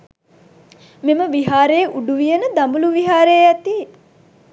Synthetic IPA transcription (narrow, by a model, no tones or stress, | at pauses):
meməʋiɦaːɾejʔuɖuʋijənəd̪ambuluʋiɦaːɾejəæt̪i